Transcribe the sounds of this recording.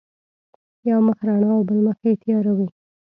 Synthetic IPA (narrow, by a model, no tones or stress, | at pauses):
jawməxɾɑɳɑawbəlməxet̪jɑɾawi